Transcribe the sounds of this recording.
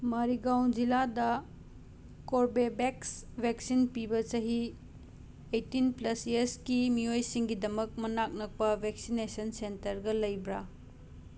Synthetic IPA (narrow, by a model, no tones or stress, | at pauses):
mɐɾiɡawnd͡ʒiladɐ | koɾbebeksbʱeksinpibɐt͡ʃɐɦi | ejtːinplɐseskimiojsiŋɡidɐmɐk̚mɐnak̚nɐk̚pɐbʱek̚sinesɐnsentɐɾɡɐlɐjbɾa